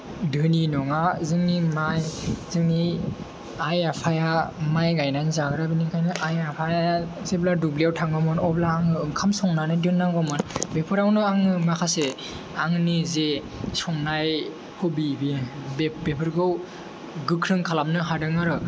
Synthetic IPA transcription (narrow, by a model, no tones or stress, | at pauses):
dɯninɔŋazɯŋnimajzɯŋni | ajapʰajamajɡajnanizaɡɯɾabinikʰajnɯʔajapʰajaazebladubliawtʰaŋbamɯnɔblaːŋɯɯŋkʰamsɔŋnanɯdɯnːaŋɡɔmɯnbepʰɯɾawnɯaŋɯmakʰase | aŋɯnize | sɔŋnaj | hʰɔbibibebepʰɯɾɡɯw | ɡɯkʰɾɯŋkʰalamnɯɦadɯŋaɾɯ